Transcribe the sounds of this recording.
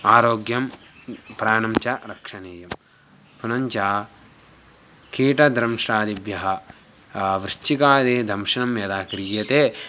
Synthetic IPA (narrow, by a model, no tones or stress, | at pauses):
aːɾoːɡjɐm | pɾaːnɐmt͡ʃɐɾɐkʂɐneːjɐm | punɐɲt͡ʃaː | kiːʈɐd̪ɾɐmʂɾaːd̪ibjɐɦɐ | ʋɾɪt͡ʃikaːd̪id̪ʱɐmʂɐnɐmjɐd̪aːkɾiːjɐt̪eː